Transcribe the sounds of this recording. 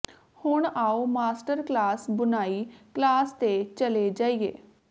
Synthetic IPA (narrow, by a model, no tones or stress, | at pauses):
hʊɳaːoːmaːsʈəɾklaːsbʊnaːiːklaːst̪et͡ʃəleːd͡ʒaːiːḛː